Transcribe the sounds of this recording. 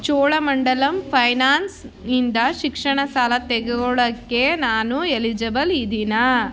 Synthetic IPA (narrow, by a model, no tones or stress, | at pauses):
t͡ʃɔːɭɐmɐɳɖɐlɐmpʰɐjnaːns | nind̪ɐʃikʂɐɳɐsaːlɐt̪eɡeɡɔɭɐkːenaːnuelid͡ʒɐbɐlid̪ina